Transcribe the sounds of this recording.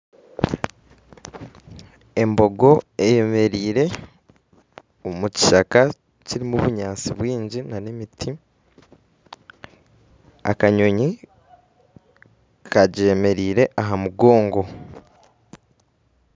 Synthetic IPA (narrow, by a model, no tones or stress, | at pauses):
e̞mbo̞ɡo̞eje̞me̞ɾiːɾe̞ | omuci̥ʃaka | ciɾimuβuɲaːt͡siβwiːɲɟinanemitʰi | a̰kaɲo̞ɲi | kʰaɟe̞ːme̞ɾiːɾe̞ʔaɦamuɡo̞ːŋɡo̞